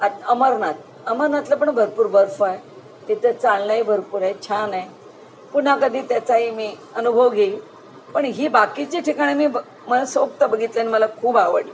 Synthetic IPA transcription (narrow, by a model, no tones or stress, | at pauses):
aəməɾnat̪̚ | əməɾnat̪ləp̬əɳbʱəɾpuːɾbəɾfaj | t̪it̪ʰət͡saɭnaɦibʱəɾpuːɾajt͡ɕʰanaj | pun̤akəd̪ʱiːt̪jat͡saɦimiː | ənubʱəʋɡe | pəɳɦiːbakit͡ɕiʈʰikaɽ̃imiː | məlasok̚t̪əbəɡʱit̪laniməlakʰuːbaʋə̰ɽi